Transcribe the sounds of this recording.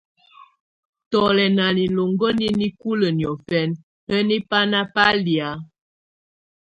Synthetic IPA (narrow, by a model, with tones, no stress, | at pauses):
tɔ˨lɛ˨na˨li˨lo˨ŋɡə˦ni˦ni˦ku˦lə˨njɔ˨fɛ˦n | ə˦ni˦pa˦na˦pa˦li˨a˨˦